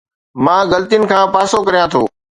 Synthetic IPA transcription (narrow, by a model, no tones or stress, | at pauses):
mãːɣɐlt̪ijʊnɪ̆kʰãːpaːsokɐɾijãt̪ʰoː